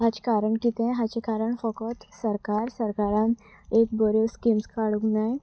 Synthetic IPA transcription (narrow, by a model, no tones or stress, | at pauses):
ɦat͡ɕkaɾəɳkit̪ẽɦat͡ɕekaɾəɳfɔkət̪səɾkaɾsəɾkaɾãn | ek̚bəɾoskimskaɽuknaj